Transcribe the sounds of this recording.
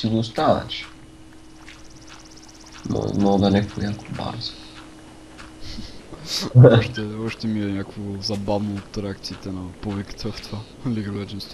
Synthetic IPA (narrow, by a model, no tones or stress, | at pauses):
sizost̪anə̰t͡ʃi̥ | mɔ̰mɔld̪ɐnɛfonʲak̪ba̰ɾzə̥ | ɔʃt̪ɛɔʃt̪ɛmiɛɲʲakvozɐbavnoːt̪ːɾɛak̚t̪siːt̪ɛnɐpubikə̥t̪əft̪ova | liɡəlɛd͡ʒinst̪